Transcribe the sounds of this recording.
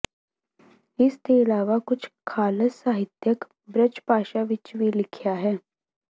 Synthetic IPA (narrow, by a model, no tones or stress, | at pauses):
ɪsk̪eɪlaːʋakʊt͡ʃʰkʰaːləsːaːɦɪt̪jək | bɾət͡ʃpaːʃaʋɪt͡ʃʋilɪkʰjaɦɛː